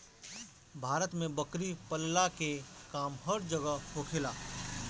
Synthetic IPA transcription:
bʱaːɾət̪mẽbəkɾipəlːakekaːmɦəɾd͡ʒəɡəokʰelaː

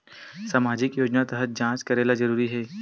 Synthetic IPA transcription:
saːmaːd͡ʒɪkjoːd͡ʒnat̪ɐɦət̪̚d͡ʒãːt͡ʃkɐɾeːlazɐɾuːɾiɦɛː

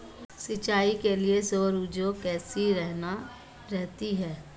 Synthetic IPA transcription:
sɪt͡ʃaːikeliesoːɾud͡ʒokɛːsiɾɛɦna | ɾɛɦt̪iɦɛː

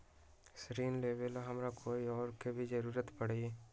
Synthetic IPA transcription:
sɾiːnleːbəlɦɐmɾakʰoːiɔːɾkebʱid͡ʒəɾuːɾət̪pɐɽe

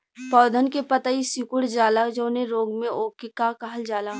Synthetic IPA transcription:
pɔːd̪ʱənkepət̪aisʊkʊɽd͡ʒaːlad͡ʒõːnẽɾoːɡmẽʔoːkekakaɦəld͡ʒaːlaː

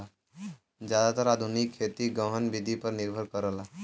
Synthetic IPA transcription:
a | d͡ʒjaːd̪at̪əɾaːd̪ʱunɪkʰːet̪iɡəɦənʋɪd̪ʱipəɾnɪɾbʱəɾkəɾəla

